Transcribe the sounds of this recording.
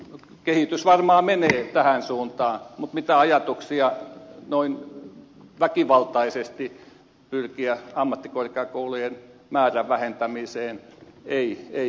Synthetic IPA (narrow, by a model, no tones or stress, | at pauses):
kehit̪ysʋɑrmɑːmeneːt̪æhænsuːnt̪ɑːmut̪mit̪æɑjɑt̪uksiɑnoin | ʋækiʋɑlt̪ɑisest̪i | pyrkiæɑmːɑt̪ːikorkeɑkoulujenmæːræʋʋæhent̪æmiseːneie